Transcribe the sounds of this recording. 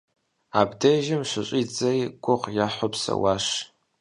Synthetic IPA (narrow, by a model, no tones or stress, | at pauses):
abdeʒɪmʂʷɨɕʷʼid͡zɐjɡ̥ʷʊqjaħʷopʰsɐ̰waʂ